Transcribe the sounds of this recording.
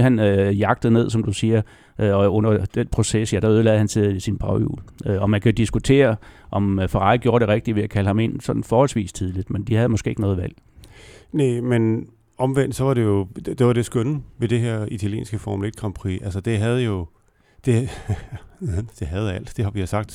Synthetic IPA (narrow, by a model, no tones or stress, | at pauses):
ɦænøjɑ̈ɡ̥̚d̥ð̩ˠne̝ð̞̰ˠsɒ̽md̥usiːɐ | ɒɔ̽n̰ɐd̥enpʰʁo̝sesjæd̥æyð̞ˠlɛːðˠhænse̝ðˠisinb̥ʁɑ̈ʊjṵːløɒ̽mænkʰæo̝d̥isɡ̥ut͡sʰe̝̰ːɐʔɒ̽mfɑ̈ʁɑ̈ɪɡ̥jo̝ːɐɾ̥e̝ʁɛɡ̥̚d̥iʋe̝ækʰæləhɑ̈me̝nsɒ̽d̥n̩fɒːhɒ̽l̰sʋḭːst͡sʰið̞ˠlid̥mend̥ihæðˠmɒ̽sɡ̥e̝̰eɡ̥nɔ̽ːðˠʋæl̰ | nemen | ɒ̽mʋen̰d̥sɒ̽ʋɑ̈ɾ̥e̝jo̝̥d̥eʋɑ̈d̥e̝sɡ̥ønn̩ʋe̝d̥e̝ɦeɐ̰it͡sʰæljḛːnsɡ̥əfɒmuled̥̚kʰʁɑ̈mpʰʁḭːʔælsəd̥e̝ɦæð̞̩ˠjo̝ | d̥e̝ | d̥e̝ɦæð̞̩ˠæl̰d̥d̥e̝ɦɑ̈ʋisɑ̈ɡ̥̚d̥